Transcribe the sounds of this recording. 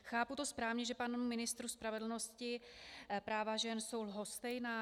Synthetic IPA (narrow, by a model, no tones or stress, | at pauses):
xaːput̪o̞spɾaːvɲɛʒɛpanumɪnɪst̪ɾuspɾavɛdl̩no̞scɪpɾaːvaʒɛnso̞wlɦost̪ɛjna